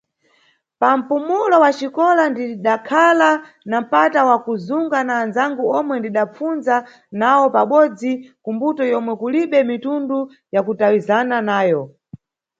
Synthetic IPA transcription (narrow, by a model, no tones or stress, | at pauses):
pam̩pumulɔwat͡ʃikɔlandiɗakʰala | nam̩patawakuzuŋɡanaːnzaŋɡuɔmwɛndiɗap͡funza | nawɔpaɓɔd͡zikumbutɔjɔmwɛkuliɓɛmitundu | jakutawizananaːjɔ